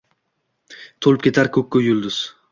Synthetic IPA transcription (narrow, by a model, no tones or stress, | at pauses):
t̪ʰolɪp̚kʲe̞t̪ʰaɾkʲʰɵkʲːʊjʊlˠd̪ʊz̥